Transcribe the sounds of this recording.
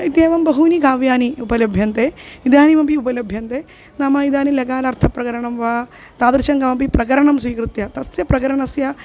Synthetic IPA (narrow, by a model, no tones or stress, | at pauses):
it̪jeːʋɐmbɐɦuːnikaːʋjaːniupɐlɐbʱjɐnt̪eːid̪jaːnimɐmpiupɐlɐbʱjɐnt̪eː | nɐmɐid̪aːnilɐɡaːlɐɾt̪ʰɐpɾɐkɐɾɐɳɐmʋaː | t̪aːd̪ɾʃɐŋkɐmɐmpipɾɐkɐɾɐɳɐmsʋiːkɾɨt̪jɐt̪ɐsjɐpɾɐkɐɾɐɳɐsjɐ